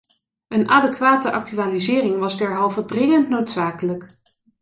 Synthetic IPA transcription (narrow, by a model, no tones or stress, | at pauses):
ənʔaːdɛkʋaːtəʔɑk̚tyaːlizɪːrɪŋʋɑzdɛɹɦɑlˠvədrɪŋəntnowtsaːkələk